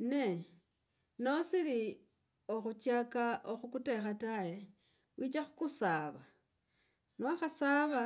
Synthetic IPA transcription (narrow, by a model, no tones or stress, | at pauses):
ne | nosili | o̞xut͡ʃjakaʔoxukute̞xataje | wʔiːt͡ʃaxu̥kusaːβa | naxasaːβa